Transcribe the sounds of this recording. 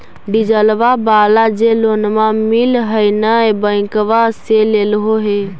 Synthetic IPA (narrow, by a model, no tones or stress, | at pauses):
ɖid͡ʒəlʋabalad͡ʒelonmamilɦəjnəebə̃ɪ̃kʋaselelɦoɦe